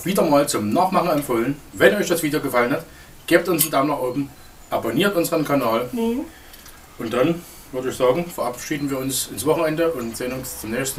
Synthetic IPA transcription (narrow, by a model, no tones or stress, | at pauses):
v̥iːdɐmaːlt͡sʊmnaːχmaχn̩ɛmfoːlənvɛnɔʏçd̥asv̥iːdejoːɡəfalənhat | ɡ̥eːp̚tʊnsn̩damnaχʔoːbm̩ | ʔaboniːɐtʔʊnzəʁənkʰanaːl | ʔʊntd̥an | vʏɐdəɪçz̥aːɡŋ̩fɛɐʔapʃiːdn̩viːɐʊnsɪnsv̥ɔχn̩ɛndəʔʊntz̥enʊnst͡sʊmnɛːçstn̩